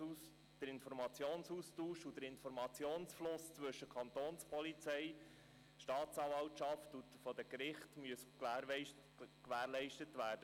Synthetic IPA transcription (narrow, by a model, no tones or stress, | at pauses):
us | d̥əɾɪnfɔɾmɑt͡sjoːnsustuːʃud̥̪əɾɪnfɔɾmɑt͡sjoːnsflʊst͡sʋɵʃəkʰɑnt̪oːnspʰɔlit͡sɛj | ʃtɑːtt͡sɑːvɑltʃɑftu | fɔd̥əkɾɪχtmyəsklæːɾɪ | kʋæːɾlɛɪʃtətʋæːɾd̥ə